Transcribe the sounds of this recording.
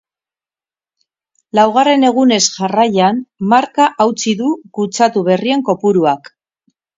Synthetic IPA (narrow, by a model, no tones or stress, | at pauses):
lawɣ̞are̞ne̞ɣ̞une̞sʝarajanmaɾkaʔawt͡siðuɣut͡sat̪uβ̞e̞rie̞ŋko̞puɾuak